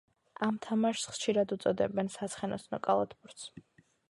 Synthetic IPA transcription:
amt̪ʰamaʃsχʃiɾad̪ut̪sʼɔd̪ɛbɛnsat̪sʰχɛnɔsnɔkʼalˠat̪ʰbuɾt̪s

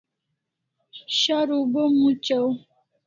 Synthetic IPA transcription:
ɕaɾubəmut͡ɕaw

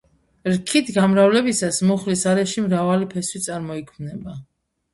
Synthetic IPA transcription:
ɾkʰit̪ʰɡamɾavlɛbisasmuχlisaɾɛʃimɾavalipʰɛswit̪sʼaɾmɔikʰmnɛba

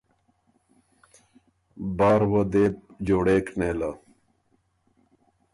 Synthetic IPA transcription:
baːɾwɐd̪eːp̚d͡ʑoːɽeːkneːla

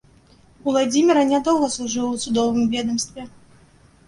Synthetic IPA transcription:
ulˠad͡zʲimʲɪɾɐnʲad̪ɔlˠɣɐslˠuʐɨlˠəw̪sʊd̪ɔvɨmvʲɛd̪ɐmst̪vʲɛ

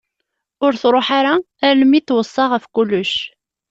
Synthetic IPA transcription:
ʊɾθɾˤoħaɾa | æɾləmːit̪ːwəsˤːɑʁəfkulːʊʃ

